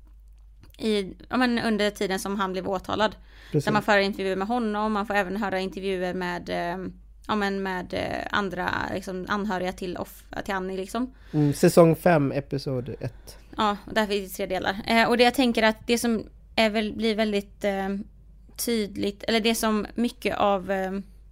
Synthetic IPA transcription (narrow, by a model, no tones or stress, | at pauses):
ʔɪjɑ̰ːmɛnɵnd̪əʈʰiːd̪ənsɔmɦanblɛːvoːt̪ʰɑ̰ːlad̪ | d̪æmanfœːɾaɾɪnt̪ɛɾjʉ̟ːəɾmɛɦɔnːɔmːanfoːɾɛːvənɦœːɾaɪnt̪ɛɾvjʉ̟ːəɾmɛːd̪ | ɑːmɛnmɛːd̪a̰nd̪ɾa̰lɪ̰ksɔmʔa̰nɦœːɾɪat̪ʰɪlɔ̰ft̪ʰɪlhanːɪlɪksɔm | sɛsɔŋfɛmːɛpɪsuːd̪ɛt̪ː | ɑːɔd̪ɛæfɪt̪ʰɾeːd̪eːlʔa̰ɾɔd̪ɛjat̪ʰɛŋkəɾat̪d̪ɛsɔm | æɾvɛlblɪɾvɛld̪ɪt̪ | yːd̪lɪɡt̪ʰɛlːəɖɛsɔmːʏkːə̰ʔav